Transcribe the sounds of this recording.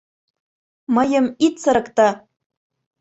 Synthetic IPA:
mɤ̆jɤ̆mit̪sə̆ɾɤ̆kt̪ɑ

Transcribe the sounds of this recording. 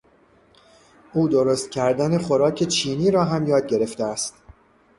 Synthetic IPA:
uːd̪oɾost̪̚cʲʰæɾd̪æneχoɾɒːcʰe̞t͡ʃʰiːniːɾɒːɦæmjɒːd̪̚ɟe̞ɾe̞ft̪eæst̪

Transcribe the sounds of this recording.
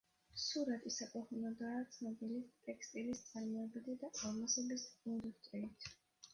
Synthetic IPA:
suɾat̪ʰʼisakʼɔχunɔd̪aːt̪sʰnɔbilit̪ʼɛkst̪ʼilist̪sʼaɾmɔɛbid̪ɛd̪aʔamasɛbisɡund̪ikʰt̪ʼɛit̪ʰ

